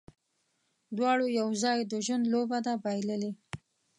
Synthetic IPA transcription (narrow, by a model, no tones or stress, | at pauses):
d̪wɑɽojawzɑjd̪əʒwənd̪lobad̪abajləli